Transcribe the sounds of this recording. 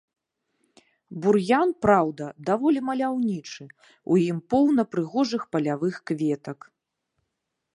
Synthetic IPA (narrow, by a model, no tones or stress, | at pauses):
burjanpɾawd̪ɐd̪avɔlʲimɐlʲawnʲit͡ʂɨ | ṵjimpɔwnɐpɾɨɣɔʐɨxpɐlʲavɨxkvʲɛt̪ɐk